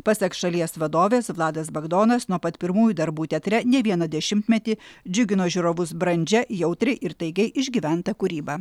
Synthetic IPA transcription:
pɐsʲɛksʃɐlʲiɛsʋɐd̪oːʋʲeːsʋlˠɑːd̪ɐsbɐɡd̪oːnɐsnuɔpɐt̪pʲɪɾmuːjuːd̪ɐɾbuːt̪ʲɛt̪ʲɾʲɛnʲɛʋʲiɛnɐd̪ʲɛʃʲɪmʲt̪ʲmʲɛt̪ʲiːd͡ʒʲʊɡʲɪnoːʒʲʊɾoːʋʊsbɾɐnʲd͡ʒʲɛjɛʊt̪ʲɾʲɪʔɪɾt̪ɐɪɡɐɪʔɪʒʲɡʲiʋʲæˑnt̪ɐkʊɾʲiːbɑː

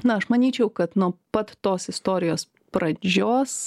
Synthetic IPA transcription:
nʊɐʃmɐnʲiːt͡ʃʲɛʊkɐt̪nuɔpɐt̪ːoːsɪst̪oːɾʲɪjoːs | pɾɐd͡ʒʲoːs

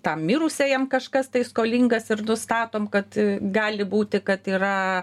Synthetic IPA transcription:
t̪ɐmmʲiːɾʊsʲeːjɛmkɐʃkɐst̪ɐɪskoːlʲiŋɡɐsɪrnʊst̪ɑːt̪oːmkɐt̪ɡɑːlʲɪbuːt̪ʲɪkɐt̪iːɾɐ

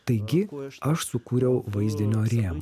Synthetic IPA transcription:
t̪ɐɪɡʲɪɐʃsʊkuːɾʲɛʊʋɐɪzʲd̪ʲɪnʲoːɾʲeːmo

